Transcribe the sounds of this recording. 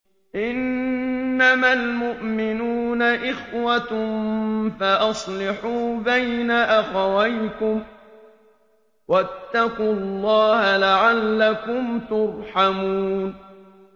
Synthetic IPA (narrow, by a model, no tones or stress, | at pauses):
ʔɪnː | amalmʊʔmɪnuːnaʔɪxwat̪mfaʔɑsˤlɪħuːbajnaʔaxawajkʊm | wat̪ːaqʊlˤːɑːhalaʕalːakʊmt̪ʊɾˤħamuːn